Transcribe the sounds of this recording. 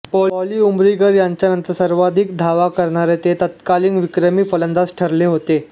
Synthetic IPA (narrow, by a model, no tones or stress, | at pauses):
pɔliːumɾiɡəɾjaɲt͡ɕjanənt̪əɾsəɾʋad̪ʱik̚d̪ʱaʋakəɾɳaɾet̪et̪ət̪kaliːnʋikɾəmiːfələnd̪asʈʰəɾleɦot̪e